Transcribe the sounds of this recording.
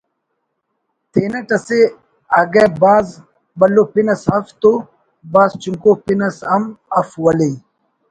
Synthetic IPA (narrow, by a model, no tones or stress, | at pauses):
t̪ʰeːnɐʈɐse | ɐɡebaːz | bɐlːopinɐsɐft̪o | baːzt͡ɕuŋkopinɐsɐmɐfwɐle